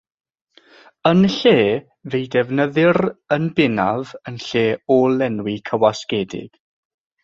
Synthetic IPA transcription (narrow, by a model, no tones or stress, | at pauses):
ənɬeː | vejdɛvnəðɪrənbɪnavənɬeːɔːlɛnwikʰəwaskɛːdɪ̰ɡ̥